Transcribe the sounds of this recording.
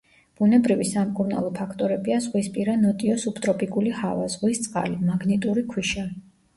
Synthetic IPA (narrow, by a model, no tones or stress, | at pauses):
b̥unɛbɾivisamkʼuɾna̰lˠɔpʰakʰt̪ʼɔɾɛbiaz̥ʁwispʼiɾanɔt̪ʼiɔsupʰt̪ʼɾɔpʼikʼulihava̰zʁwist̪sʼqʼa̰limaɡnit̪ʼuɾikʰwiʃa